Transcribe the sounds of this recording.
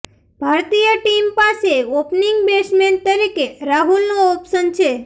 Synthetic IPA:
b̥ʱaɾt̪ijəʈimpaseopniŋɡbesmeɳʈ̚t̪əɾikeɾaɦulnoɔpsənt͡ʃʰe

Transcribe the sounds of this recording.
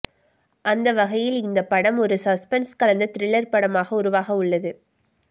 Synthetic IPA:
ʔɐnd̪ɐʋɐɣɐjɪlɪnd̪ɐpːɐɽɐmɔɾɯsɐspɛnskɐɭɐnd̪ɐt̪ɪɾɪɭːɐɾpɐɽɐmaːɣɐʊɾʊʋaːɣɐʊɭːɐðɯ

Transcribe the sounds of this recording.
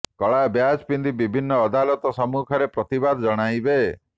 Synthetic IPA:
kɔɭabjad͡ʒpind̪ibibʱinːɔːd̪alɔt̪ɔsɔmukʰɔɾepɾɔt̪ibad̪d͡ʒɔɽ̃ajbe

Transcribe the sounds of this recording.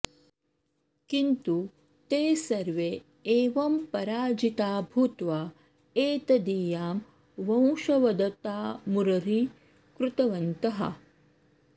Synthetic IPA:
kint̪u | t̪eːsɐɾʋe | eːʋɐmpɐɾaːd͡ʒit̪aːbʱut̪ʋaː | eːt̪ɐd̪ijaːm | ʋɐ̃w̃ʂɐʋɐd̪ɐt̪aːmuɾɐɾi | kɾut̪ɐʋɐnt̪ɐɦɐ̰

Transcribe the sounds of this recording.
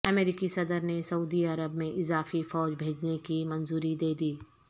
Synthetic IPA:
ɐmeːɾɪkisɐd̪əɾnesɐuːd̪iɐɾəbmẽʔɪzaːfifɔːd͡ʒbʱeːd͡ʒnekimɐnzuːɾid̪eːd̪iː

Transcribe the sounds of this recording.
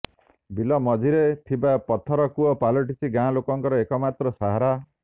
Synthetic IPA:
bilɔmɔd͡ʒʱiɾet̪ʰibapɔt̪ʰɔɾɔkuɔpalɔʈisʰiɡãlokɔŋkɔɾɔekɔmat̪ɾɔsaɦaɾa

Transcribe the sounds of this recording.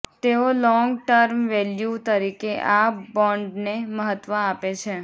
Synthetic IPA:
t̪eolɔ̃ŋɡʈəɾmʋeljut̪əɾikeʔabɔɳɖneməɦət̪ʋəapet͡ʃʰe

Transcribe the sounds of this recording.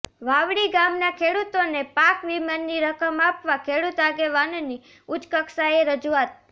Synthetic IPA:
ʋaʋɽiɡamnakʰeɽut̪onepakʋimanːiɾəkəmapʋakʰeɽut̪aɡeʋanoni | ut͡ʃkəksaeɾəd͡ʒuat̪̚

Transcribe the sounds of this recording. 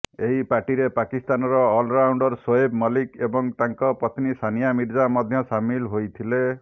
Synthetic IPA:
eɦipaʈiɾepakist̪anɔɾɔːlɾawɳɖɔɾswɔebmɔlikebɔŋt̪aŋkɔpɾɔt̪ʰnisʰanijamiɾd͡ʒamɔd̪ʱjɔsamilɦojt̪ʰile

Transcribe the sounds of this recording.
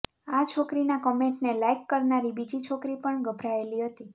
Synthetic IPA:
at͡ʃʰokɾinakɔmeɳʈnelajkːəɾnaɾibid͡ʒit͡ʃʰokɾipəɳɡəbʱɾaeliɦət̪i

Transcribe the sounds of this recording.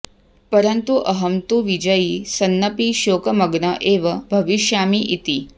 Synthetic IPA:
pɐɾənt̪uʔɐɦɐmt̪uʋid͡ʒəjisɐnːɐpiʃoːkɐmɐɡnɐʔeːʋɐbʱɐʋiʃjaːmiʔit̪i

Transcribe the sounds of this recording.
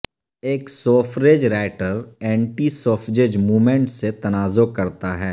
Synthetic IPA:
eːksoːfʰɾeːd͡ʒɾaːɪʈəɾɛ̃ːɳʈisoːfʰɾeːd͡ʒmuːmẽɳʈset̪ɐnaːzokɐɾt̪aɦɛː

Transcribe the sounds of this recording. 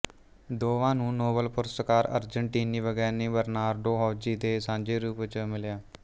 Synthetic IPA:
d̪oːʋãːnũːnoːbəlpʊɾsəkaːɾə̰ɾd͡ʒəɳʈiːniːʋəɡɛːɾnĩːbəɾnaːɾɖoːɦɔːd͡ʒiːd̪eːsãːɲd͡ʒeːɾuːpt͡ʃmɪljaː

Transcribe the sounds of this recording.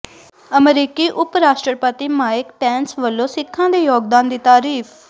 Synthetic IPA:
əmɛɾiːkiːʔʊpɾaːʃʈɾəpət̪iːmaːɪkʈɛːnsʋəlːõːsɪkʰːãːd̪eːjoːɡ̚d̪aːnd̪iːt̪aːɾiːfʰ

